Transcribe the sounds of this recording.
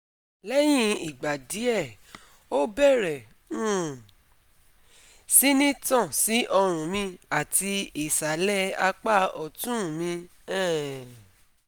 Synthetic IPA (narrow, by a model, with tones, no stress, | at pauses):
lɛ˦j̃ĩ˦i˨ɡ͡ba˨di˨˦ɛ˦˨ | o˦bɛ˦˨ɾɛ˨ | ũ˦˨ | si˦nĩ˦tɔ̃˦˨si˨˦ʔɔ˧ɾ̃ũ˨mĩ˧a˦˨ti˧i˦˨sa˨˦lɛ˦a˧k͡pa˦ɔ˨tũ˦˨mĩ˧ | ɛ̃˦˨